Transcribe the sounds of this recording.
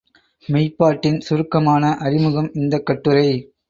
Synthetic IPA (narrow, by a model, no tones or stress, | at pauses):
mɛɪpːaːʈːɪnsʊɾɯkːɐmaːnɐʔɐɾɪmɯɣɐmɪnd̪ɐkːɐʈːɯɾɐɪ